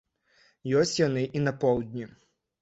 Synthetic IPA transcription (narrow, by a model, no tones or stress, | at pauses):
jɔsʲtʲjɔnɪʔinɐpɔwd̪ʲnʲi